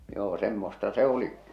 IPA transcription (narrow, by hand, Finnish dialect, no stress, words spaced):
joː semːostɑ se o̝li